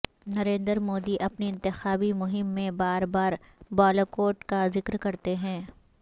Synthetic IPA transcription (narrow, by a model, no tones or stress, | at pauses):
nɐɾẽːnd̪əɾmoːd̪iʔɐpniɪ̃nt̪ɪxaːbimʊɦɪmːẽbaːɾbaːɾbɔːlokoːʈkazɪkɾkɐɾt̪eɦɛ̃ː